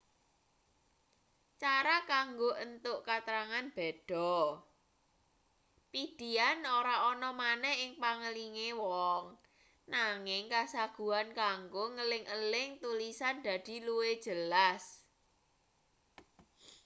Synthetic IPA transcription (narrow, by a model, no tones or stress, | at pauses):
t͡ʃaɾakaŋɡoʔənt̪ʊʔkat̪əɾaŋanb̥ɛd̥ɔ̤ | pid̪̥i̤anoɾaɔnɔmanɛhɪŋpaŋəliŋewɔŋ | naŋɪŋkasaɡ̥ṳankaŋɡoŋəlɪŋʔəlɪŋt̪ulisand̪̥ä̤d̪̥i̤lued̥ʒ̥əlas